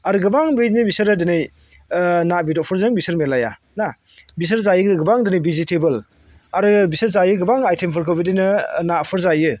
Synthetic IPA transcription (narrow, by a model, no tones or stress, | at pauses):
aɾɯɡɯbaŋbenibisɯɾɯdɯnɯj | nabidɔpʰɔɾzɯŋbisɯɾmelaja̰ | na | bis̬ɐɾzajɯɡɯɡɯbaŋdɯnɯjbizitʰebɯl | aɾɯbisɯɾzajɯɡɯbaŋajtʰempʰɯɾkʰɯbidinɯnapʰɯɾzajɯ